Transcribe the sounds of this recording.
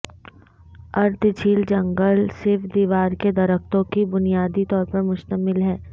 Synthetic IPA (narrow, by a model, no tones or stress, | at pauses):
ɐɾt̪ʰt͡ʃʰiːld͡ʒɐ̃ŋɡəlsɪɾfd̪iːʋaːɾked̪ɐɾək̚t̪õkibʊnijaːd̪it̪ɔːɾpɐɾmʊʃt̪əmɪlɦɛː